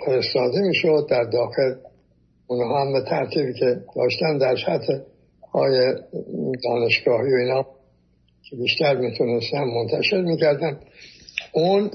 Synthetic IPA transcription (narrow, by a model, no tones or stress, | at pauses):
fe̞ɾest̪ɒːd̪emiːʃod̪ːæɾd̪ɒːxe̞l | unhɒːhæmbe̞t̪ʰæɾt̪ʰiːbiːkʰe̞d̪̥ɒːʃt̪ænd̪æɾsæt̪ʰe | ɒːjed̪ɒːne̞ʃɡ̥ɒːhiːjoiːnhɒː | kʰebiːʃt̪æɾmit̪ʰune̞st̪ænmo̞nt̪ʰæʃe̞ɾmiːcæɾd̪æn | un